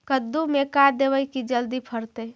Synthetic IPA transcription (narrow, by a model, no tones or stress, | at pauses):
kəd̪ːumekaɾd̪eʋəjkid͡ʒəld̪ipʰəɾt̪ə